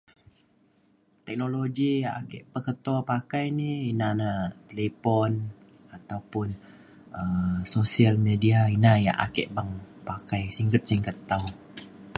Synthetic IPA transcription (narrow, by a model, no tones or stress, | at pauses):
t̪ɛk̚noloɡijaakɛʔpəkət̪ɔpakajniinanat̪elepɔn | at̪awpʊn | əsosialmediainaja̰ʔa̰kɛ̰ʔbaŋpakajsiŋɡɾip̪̚siŋkət̪aw